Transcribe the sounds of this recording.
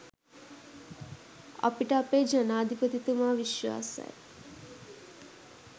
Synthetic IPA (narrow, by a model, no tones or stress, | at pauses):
ɐ̰piʈəɐpeːd͡ʒɐnaːd̪ʱipət̪it̪umaːʋiʃʋa̰ːsa̰j